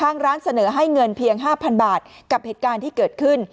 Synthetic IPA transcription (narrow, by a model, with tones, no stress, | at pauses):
kʰaː˥˩ŋɾaː˦˥nsa˧nɤː˩˦ɦa˥˩jŋɤ˧npʰi˧əŋɦaː˥˩pʰa˧nbaː˨˩t̪̚ka˨˩p̚heː˨˩t̪̚kaː˧nt̪ʰiː˥˩kɤː˨˩t̪̚kʰɯ˥˩n